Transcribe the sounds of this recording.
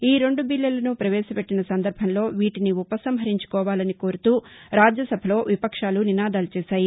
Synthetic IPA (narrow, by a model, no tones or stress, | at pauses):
iːɾe̞ɳɖubilːɐlɐnupɾɐʋɛːʃɐpeʈːinɐsɐnd̪ɐɾbʱɐnlo̞ːʋiːʈiniupɐsɐmɦɐɾiɲt͡ʃu̥kɔːʋaːlɐniko̞ːɾut̪uːɾaːd͡ʒjɐsɐbʱɐlo̞ːʋipɐkʂaːluninaːd̪aːlut͡ʃɛːʃaːji